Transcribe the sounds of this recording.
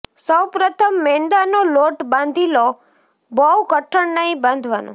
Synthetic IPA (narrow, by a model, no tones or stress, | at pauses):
səwpɾət̪ʰəmːend̪anoloʈbãnd̪ʱilo | bəwkəʈʰːəɳnəɦĩbãnd̪ʱʋanõ̰